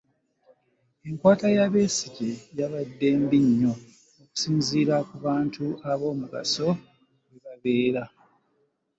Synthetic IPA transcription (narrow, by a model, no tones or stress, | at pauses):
e̞ŋkwaːtajaβe̞ːsicejaβadːe̞ːmbiɲːo̞ | oku̥siːnziːɾakuβaːntuaβo̞ːmuɡa̰so̞ | eβaβe̞ːɾa